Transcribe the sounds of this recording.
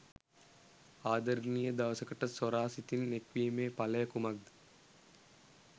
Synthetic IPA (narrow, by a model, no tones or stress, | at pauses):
aːd̪ɐɾnijɐd̪ɐʋɐsɐkɐʈːɐsɔɾaːsit̪ːɪnnekʋijɐmeːpɐlɐjɐkumɐk̚d̪